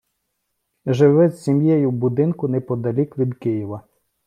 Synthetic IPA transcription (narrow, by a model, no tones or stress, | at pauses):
ʒɪʋɪsʲimjɛjʊbʊd̪ɪnkʊnɛpɔd̪ɐlʲikʋʲid̪kɪjiʋɐ